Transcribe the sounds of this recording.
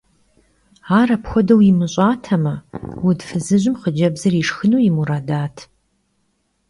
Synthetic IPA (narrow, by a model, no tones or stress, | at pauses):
aːrɐpxʷɔdɐwimɨɕʷʼaːtʰɐmɐwʊdfɨzɨʑɪmχəd͡ʒɐbzɐriʂxɨnuːjimuɾaːdaːtʰ